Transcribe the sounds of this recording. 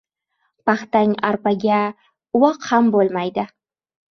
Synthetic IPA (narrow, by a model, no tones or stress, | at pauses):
paχt̪aŋaɾpaɡʲa | ʊwɑqhambolˠmajd̪ɪ